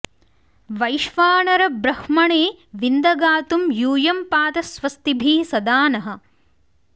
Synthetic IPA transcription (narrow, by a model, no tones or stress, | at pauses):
ʋɐjʃʋaːɳɐɾɐbɾɐhmɐɳeːʋind̪ɐɡaːt̪umjuːjɐmpaːt̪ɐsʋɐst̪ibʱiːsɐd̪aːnɐɦɐ̆